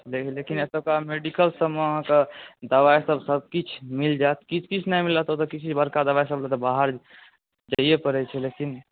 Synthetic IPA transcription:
leklekinɛsəb̚kameɖikəlsəmeəɦãked̪əʋajsəbʱsəb̚kit͡ʃʰmild͡ʒaet̪kit͡ʃʰkit͡ʃʰnajmilːat̪ot̪əkit͡ʃʰibəɾkad̪əʋajsəblɛt̪ɔbaɦəɾ | d͡ʒaijepəɾɛt͡ʃʰɛlekin

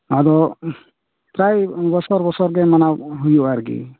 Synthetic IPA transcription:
ad̪ɔ | pɾajbɔsɔɾbɔsɔɾɡɛmanaɦujɔaɾɡḭ

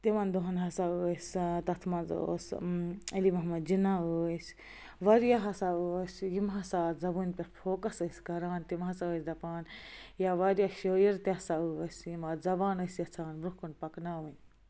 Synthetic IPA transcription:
t̪imɐnd̪oɦɐnɦɐsausʲt̪ɐt̪ʰmɐnzo̰ːsɐlimɐɦmɐd̪d͡ʒinaus | ʋɐɾjaɦɐsausʲjimɦɐsaːzɐbunpʲɐɾpʰoːkɐsɐsʲɡɐɾaːnt̪imɦɐsaəːsʲd̪ɐpaːnjaʋɐɾjaʃoːjiɾt̪iɐsausʲjimazɐbaːnɐsjɐt͡sʰaːnbɾukunpɐknaːʋɐnʲ

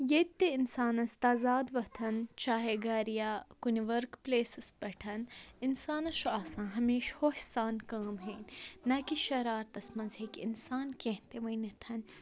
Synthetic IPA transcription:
jet̪ːeɪnsaːnɐst̪aːzaːd̪ʋɐt̪ʰɐnt͡ʃaːɦeɡaːɾijaːkunʋɐɾkpleːsɪspɐʈʰɐnɪnsaːnɐʃuaːsãːɦɐmeːʃhoːʃsaːnkaːmɦeːnʲnɐkiʃɐɾaːɾt̪ɐsmɐnzɦeːkɪ̰nsaːnkẽɦt̪eʋɐinɐt̪ʰɐn

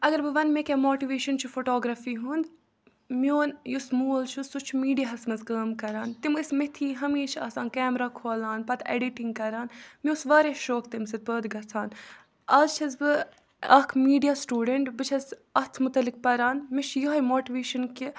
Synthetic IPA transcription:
ɐɡɐɾbɨʋɐnmekʲemoːʈiʋeːʃɐnt͡ʃʰufoʈoːɡɾɐfiːɦund̪ | mioːnjusmuːlt͡ʃʰusut͡ʃʰumiːɖijaɦɐsmɐzkəːmkɐɾaːnt̪imɨsmet̪ʰiːɦɐmiːʃʰɐ̰ːsaːnkɛːmɾaːkʰoːlaːnpɐt̪ʰḛɖiʈiŋɡkɐɾaːnmioːsʋaːɾeʃoːkt̪ɐmsɐd̪̚pəːd̪ɡɐt͡sʰaːn | ɐlt͡ʃʰɐzbɨ | ɐkʰmiːɖijaːsʈuːɖeɳʈbɨt͡ʃʰɐzɐt̪ʰmʊt̪ɐlːik̚pɐɾaːnmɪt͡ʃʰjoɦɐjmoːʈiʋeːʃɐnki

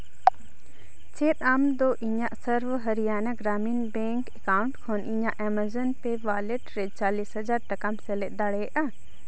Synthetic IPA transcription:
t͡ʃʰeːt̪amd̪oːʔiɲãʔsɐɾʋɦɐɾijaːnɐɡɾaːmiːnbẽːŋkekaːʊɳʈkʰoːnĩɲãʔɛmɐzənpeʋaːleʈɾet͡ʃaːliːsɦɐzaːɾʈɐkamseleʔd̪aɽeːʔa

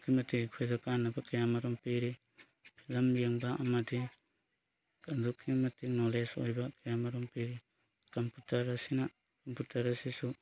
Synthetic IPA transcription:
kʰimɐtikʰojdokanːabakajamaɾoŋpiɾi | lɐmijaŋbaamadi | kandukʰimɐtinoleso̰jbakajamaɾoŋpiɾi | kɐmputɐɾasina | kɐmputɐɾɐsisu

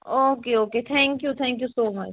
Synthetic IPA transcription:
oːkeoːket̪ʰɛ̃ŋkjut̪ʰɛ̃ːŋkjusoːmɐt͡ʃ

